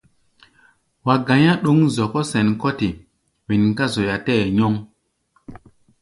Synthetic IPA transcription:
wa˨ɡã˨ɲã˦ɗo˦ŋzɔ˨kɔ˦sɛ˨nkɔ˦ti˨ | wi˨nka˦zo˨ja˨tɛ˦˨ɲɔ˦ŋ

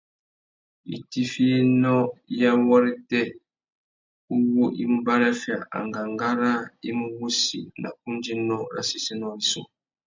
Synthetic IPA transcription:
ḭ˨ti˦fi˦e˦nɔ˦ja˦wɔ˦ɾi˦tɛ˦ | u˦wo˦ʔi˦m̩˦ba˦ɾɛ˦fi˨a˨ʔa̰˨ŋɡa˨ŋɡa˦ɾa˦i˦mu˦wu˦sḭ˨nʔa̰˨k̚u˦n˦d͡ʒi˦nɔ˦ɾa̰˦si˦si˦nɔ˦i˨sɔ̰˦˨

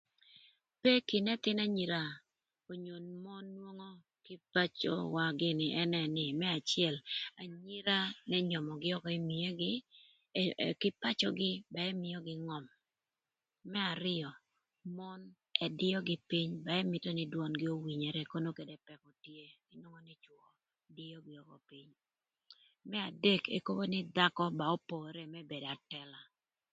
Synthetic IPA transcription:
pe˦kɪ˨nɛ˦t̪ɪ˦na˦ɲi˨ɾa˦˨ | o˨ɲo˨nmɔ˦nːwo˦ŋo˦ | kɪ˦pa˦t͡ʃo̰˦wa˨ɡɪ˦nɪ˨ʔɛ˦nɛ˨nɪ˨mɛ˦a˨t͡ʃɪɛ˦˨la˨ɲi˦ɾa˦nɛ˦ɲɔ˨mɔ˨ɡɪ˦ɔ˦kɔ˦i˦m˨e˦ɡ | kɪ˦pa˦t͡ʃɔ˦ɡɪ˦ba˨ɛ˦mɪ˦jɔ˦ɡɪ˦ŋɔ˨m | ɛ˦a˨ɾɪ˦jɔ˨ | mɔ˦n | ɛ˨dɪ˦ɔ˦ɡɪ˦pi˦ɲba˨ɛ˦mɪ˨tɔ˦nɪ˦dwɔ˦nɡɪ˦o˦wi˨ɲe˨ɾɛ˦ko˦no˦ke˨de˨pɛ˨kɔ˨tje˦ɡɪ˦no˦ŋɔ˦nɛ˦t͡ʃwɔ˨ | dɪ˦ɔ˦ɡɪ˦ɔ˨kɔ˨pi˦ɲ | mɛ˦a˨de˦kḛ˨ko˦bo˦nɪ˦d̪a˦kɔ˦ba˨o˦po˨ɾɛ˦mɛ˦be˨da˨tɛ˦la˨

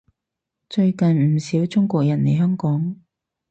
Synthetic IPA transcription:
t͡ʃɵ˧ɥkɐ˨nm̩˨˩siː˨˥wt͡sʊ˥ŋkʷɔː˧˨k̚jɐ˨˩nne˨˧jɦœː˥ŋkɔː˨˥ŋ

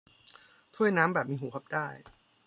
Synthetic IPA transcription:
t̪ʰu˥˩əjnaː˦˥mbɛː˨˩p̚miː˧ɦuː˩˦kʰa˨˩p̚daː˥˩j

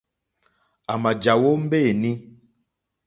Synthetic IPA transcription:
a˨ma˨d͡ʒa˨wo˦m̩˦be˦˨nĩ˦

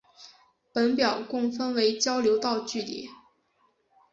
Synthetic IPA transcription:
pə˧˥npjɑ˨˩ʊkʊ˥˩ŋfə˥nwe˧˥ɪt͡ɕjɑ˥ʊljo˧˥ʊt̪ɑ˥˧ʊt͡ɕy˥˩lḭ˧˩˦

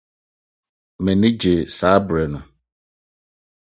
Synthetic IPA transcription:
mẽ˨nɪ̃˦d͡ʑe˨saː˨˦bɾɛ˨nʊ̃˨

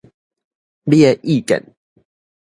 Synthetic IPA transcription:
ljɛ˥˧ʔi˥˨kə̰˨n

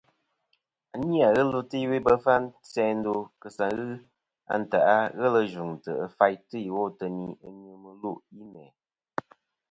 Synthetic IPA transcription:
a˨ni˦a˨ɣə˦lu˦tɨ˦i˦we˦bə˦fa˦n˦sɛ˦n̩˦do˧kə˨sa˨ɣɨ˦ | a̰˦n̩˨ta˨ʔa˦ɣə˦lə˦˧ʒu˨ŋtə̰˨ə˨fa˦jtɨ˦ji˨wo˦˨tə˨ni˨˦ə˦ɲɨ˨mɨ˨lu˦ʔji˦mɛ˨

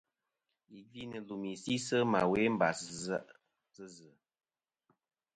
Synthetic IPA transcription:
i˨vi˦nɨ˨lu˨mi˨si˦sə˦ma̰˨we˦m̩˦ba̰˨szə˦ʔ | t͡sɨ˦zɨ˨

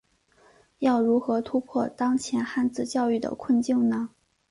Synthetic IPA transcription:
jɑ˥˩ʊɻu˧˥xɤ˧˥t̪ʰu˥pʰwɔ˥˩t̪ɑ˥ŋt͡ɕʰjɛ˧˥nxa˥˧nt͡sɹ̩˥˧t͡ɕjɑ˥˧ʊy˥˩d̪ə̰˩kʰwə˥˧nt͡ɕi˥˩ŋnə˩

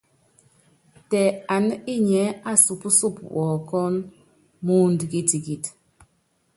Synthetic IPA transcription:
tɛ˨a˨n˦i˦ɲɛ˨˦a˦su˨pu˦su˦˨pwɔ˨kɔ˦n | mu˦n˨di˨ki˦ti˨ki˨t

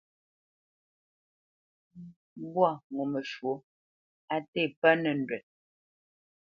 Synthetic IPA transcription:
bwa˦˨ŋo˨mə˨ʃwo˨˦ | a˨te˦˨pa˦nɛ˨n̩˨dwɛ˨t̚

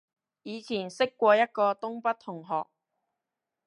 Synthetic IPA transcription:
jiː˨˧t͡sʰiː˨˩nsɪ˥kːʷɔː˧jɐ˥t̚kɔː˧t̪ʊ˥ŋpɐ˥t̚t̪ʰʊ˨˩ŋɦɔ̰ː˨k̚

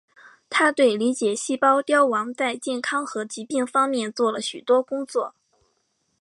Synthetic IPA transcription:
t̪ʰa˥t̪we˥˩ɪli˧˥t͡ɕjɛ˨˩ɕi˥˩pɑ˥ʊt̪jɑ˥ʊwɑ˧˥ŋt͡sa˥˧ɪt͡ɕjɛ˥˩nkʰɑ˥ŋxɤ˧˥t͡ɕi˧˥pi˥˩ŋfɑ˥ŋmjɛ˥˧nt͡swɔ˥˩lə˩ɕy˨˩t̪wɔ˥kʊ˥ŋt͡swɔ˥˩

